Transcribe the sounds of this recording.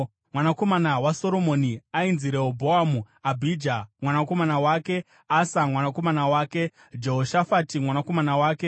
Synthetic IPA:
mwanako̞manawaso̞ɾo̞mo̞ːniainziɾeobʱoamu | abʱid͡ʒamwanako̞manawaːke̞ | asamwanako̞manawaːke̞ | d͡ʒe̞ɦoʃafatimwanako̞manawaːke̞

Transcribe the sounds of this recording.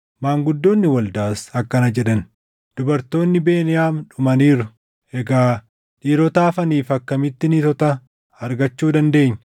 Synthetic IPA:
maːŋɡʊd̪ːo̞ːnːɪwɐld̪aːsɐkːɐnɐd͡ʒɛᶑɐn | d̪̥ʊbɐɾt̪o̞ːnːɪbe̞ːnɪjaːmᶑʊmɐniːɾʊ̥ | ʔɛɡaː | ᶑiːɾɔt̪aːfɐniːfɐkːɐmɪt̪ːɪnɪt̪ɔt̪ɐ | ɐɾɡɐt͡ʃːuːd̪ɐnd̪e̞ːɲː

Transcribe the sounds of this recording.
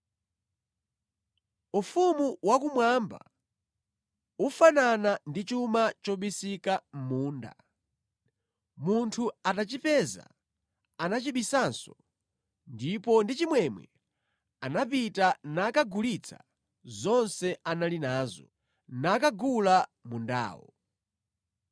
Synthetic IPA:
ufumuwakumwamba̰ | ufananandit͡ʃumat͡ʃɔɓisikam̩muːnda̰ | muntʰuatat͡ʃipɛːza̰ | anat͡ʃiɓisansɔ | ndipɔndit͡ʃimwɛmwɛ̰ | anap̬itanakaɡulit͡sʰa̰ | zɔnsɛʔanalinaːzɔ | nakaɡulamunda̰ːwɔ̰

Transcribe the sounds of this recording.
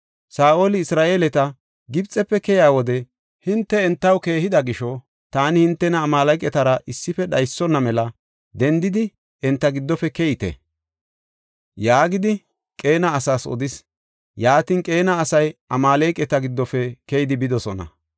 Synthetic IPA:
saːʔoːlɪɪsɾaːʔeːlɛt̪ɐ | ɡɪbt͡sʼːɛpːɛkɛjaːwɔd̪ɛ | hɪnt̪ːɛɛnt̪ːɐwke̞ːhɪd̪ɐɡɪʃɔ | t̪aːnɪhɪnt̪ːɛnɐːmaːlɐjkʼɛt̪ɐɾɐʔɪsːɪfɛɗɐjsːɔnːɐmɛlɐ | d̪ɛnd̪ɪd̪ɪ | ɛnt̪ːɐɡɪd̪ːɔfɛkɛjɪt̪ɛ̰ | jaːɡɪd̪ɪ | kʼe̞ːnɐːsaːsɔ̰d̪ɪs | jaːt̪ɪnkʼe̞ːnɐːsɐjʔɐmaːlejkʼːɛt̪ɐɡɪd̪ːɔfɛkɛjɪd̪ɪbɪd̪ɔsɔnɐ̰

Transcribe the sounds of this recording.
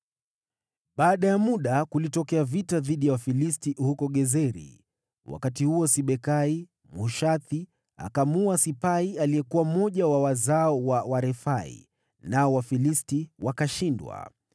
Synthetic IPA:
ɓaːɗajamuɗakulitɔkɛavitaðiɗijawafilistihukɔɠɛzɛɾḭ | wa̰katihuɔsiɓɛkai | muʃaθi | a̰kamuasipaialiɛkuwam̩ɔʄawawazaɔwawaɾɛfaḭ | naɔwafilistiwakaʃindwa̰

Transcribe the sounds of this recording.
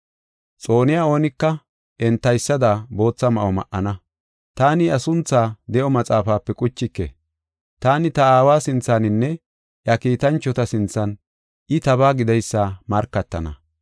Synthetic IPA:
t͡sʼo̞ːnɪjaːo̞ːnɪkːɐ | ʔɛnt̪ːɐjsːɐd̪abo̞ːt͡sːɐmɐʔɔmɐ̰ʔɐnɐ | t̪aːnɪɐsʊnt͡sːaːd̪ɛʔɔmɐt͡sʼaːfaːpːɛkʼʊt͡ʃːɪkːḛ | t̪aːnɪt̪ɐaːwaːsɪnt͡sːaːnɪnːɛ | ʔjɐkiːt̪ɐnt͡ʃːɔt̪ɐsɪnt͡sːɐn | ʔɪt̪ɐβaːɡɪd̪ɐjsːaːmɐɾkːɐt̪ːɐnɐ̰

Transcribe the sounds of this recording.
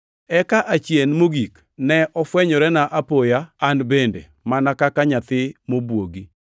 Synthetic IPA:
ɛkaʔat͡ʃjenmoɡik | nɛʔɔfwɛɲɔɾɛnaʔapojaanbendḛ | manakakaɲat̪ɪmobwoɡi

